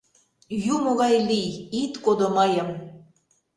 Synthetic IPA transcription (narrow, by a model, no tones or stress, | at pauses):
jumoɣɑjlijit̪kod̪oməjəm